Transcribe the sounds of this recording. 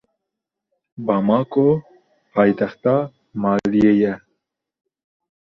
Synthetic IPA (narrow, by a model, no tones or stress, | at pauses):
bɑmɑːko | pʰɑːjt̪ɛxt̪ɑː | mɑːlijeːjɛ